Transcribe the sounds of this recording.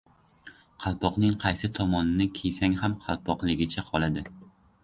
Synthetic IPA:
qʰɑlˠpʰɒqnɪŋqʰɑjsɪt̪ʰɒmɒnɪnɪkʲʰesaŋhamqʰɑlˠpʰɒqlˠɪɡʲɪt͡ʃʰaqʰɒlˠad̪ɪ

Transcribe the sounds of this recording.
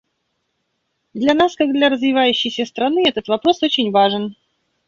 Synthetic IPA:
d̪lʲɐnaskaɡ̚d̪lʲɐɾəzvʲɪvajʉɕːɪjsʲəst̪ɾɐnɨɛt̪ət̪vɐpɾo̞so̞t͡ɕɪnʲvaʐɨn

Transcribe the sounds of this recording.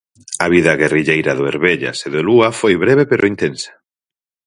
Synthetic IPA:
ɐβiðɐɣeriʎejɾaðʊeɾβeʎa̰seðʊluafojβɾeβepeɾʔʊint̪ensḁ

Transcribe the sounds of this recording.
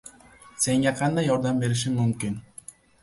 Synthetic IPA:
se̞ŋɡeqʰɑnd̪ɑjoɾd̪ɑmbe̞ɾiʃ̬iŋmymkin

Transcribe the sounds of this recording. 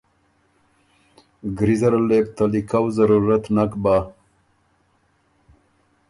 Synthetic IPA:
ɡɾizaɾalep̚t̪alikawzaɾuɾat̪nakba

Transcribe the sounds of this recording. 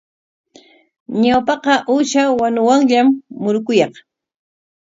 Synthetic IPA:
ɲawpɑqɑʔuʃawanʊwaŋʎamːʊɾkʊjɑχ

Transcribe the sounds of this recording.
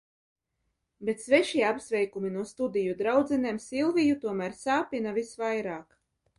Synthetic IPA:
bet̪svɛʃiɛapsvʲɛjkuminuɔst̪ud̪ijud̪ɾawd̪zɛnɛːmsilˠvʲijut̪uɔmæɾsaːpʲinavisvajɾaːk

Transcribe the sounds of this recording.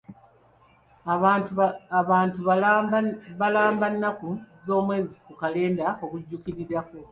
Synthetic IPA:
aːntu | βalaːmbanːakuzo̞ːmwe̞ːzikukale̞ːndao̞kuɟːukiɾiɾaku

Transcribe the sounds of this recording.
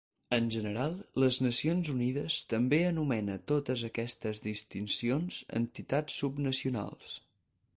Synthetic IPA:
ənʲʒənəɾalˠləznəsionzuniðəst̪əmbeənumɛnət̪ot̪əzəkɛst̪əzðist̪insionzə̰nt̪it̪at͡sːubnəsiuna̰lˠs

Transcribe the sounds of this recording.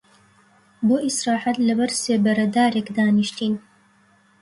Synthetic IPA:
boːʔisɾɑːħat̪lɐbɐɾseːbɐɾɐd̪aːɾekd̪aːniʃt̪iːn

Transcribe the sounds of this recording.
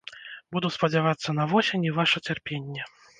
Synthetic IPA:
bud̪uspɐd͡zʲavat̪sːɐnɐvɔsʲenʲivaʂɐt͡sʲarpʲenʲːɛ

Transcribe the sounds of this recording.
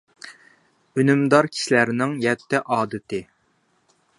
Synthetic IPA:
ynymd̪ɑɾkʲʰi̥ʃilæɾnɪŋjɛt̪ːɛʔɑːd̪ɨt̪ɪ

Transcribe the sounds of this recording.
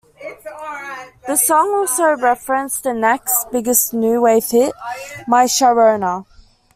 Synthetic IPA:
ðəsɔ̃ŋɔˑlˠsəʊɹɛfɹə̃nstʰənɛksb̥ɪɡəsnjʉːweɪfɪt̚maɪʃəɹəʊnə

